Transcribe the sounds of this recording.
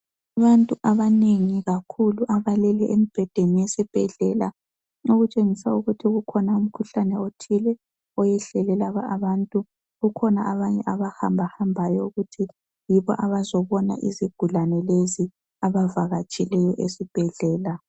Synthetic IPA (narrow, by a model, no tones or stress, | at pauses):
aβantʼuʔaβaneŋiɣakʰuluʔaβalɛlɛʔemib̥ʱɛd̥ʱenijɛsɛb̥ʱɛɮɛla̰ | ŋoɣut͡ʃʼeŋisauɣutʰiɣukʰɔnaum̩kʰuɬanɛotʰilɛ | ɔjɛɬɛlɛlaβaʔaβantʼu | ɣukʰɔnaʔaβaɲɛʔaβaha̰mbʱahambʱajɔuɣutʰi | jiβɔ̰ʔaβazɔβɔna̰ʔḭziɡ̥ʱulanɛlezi | aβavaɣat͡ʃʼilɛjɔʔesib̥ʱɛɮɛːla